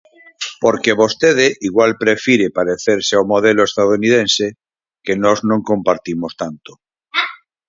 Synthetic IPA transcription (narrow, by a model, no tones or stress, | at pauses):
poɾkeβost̪eð̞eʔiɣwalpɾefiɾepaɾeθeɾseawmoð̞eloest̪aðunið̞ẽnse | kenoznõŋkõmpaɾt̪imost̪ant̪o̥